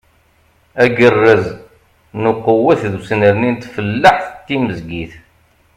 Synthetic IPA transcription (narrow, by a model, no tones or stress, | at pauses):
æɡərːəz | nʊqːəwəθðusnəɾnint̪fəlːaħθət̪ːiməzɡiθ